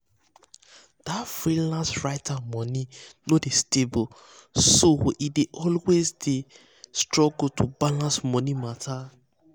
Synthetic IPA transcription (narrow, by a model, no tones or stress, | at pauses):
d̥afɹilãnsɹaɪtʰamɔ̃ninodestebo | sowʔideʔɔlwezde | stɹɔɡotʰubalãnsmɔ̃nimatʰa